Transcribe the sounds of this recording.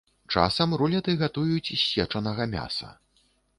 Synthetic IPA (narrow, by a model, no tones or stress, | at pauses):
t͡ʂa̰sɐmɾulʲɐt̪ɨɣat̪ujut͡sʲisʲːɛt͡ʂɐnɐɣɐmʲa̰sɐ̰